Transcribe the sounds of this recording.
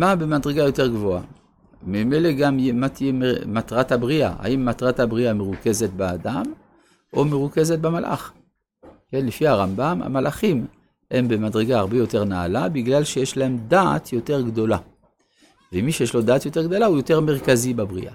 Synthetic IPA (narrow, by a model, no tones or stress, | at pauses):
mabemad̪ʁeɡajo̞te̞ʁɡvo̞a | mimele̞ɡammat̪ijememat̪ʁat̪habʁia̰ha̰imːat̪ʁat̪habʁiameʁuke̞zet̪baad̪am | ʔomeʁuke̞zet̪̚bamalʔa̰χ | kenlefihaʁambama̰malʔaχim | he̞mbemad̪ʁeɡaaʁbejo̞teʁnaa̰labiɡlalʃejeʃlae̞md̪aa̰t̪jo̞te̞ʁɡd̪o̞la | vemiʃejeʃlo̞d̪aːt̪jo̞te̞ʁɡdo̞laujo̞te̞ʁme̞ʁkazibabʁḭʔa̰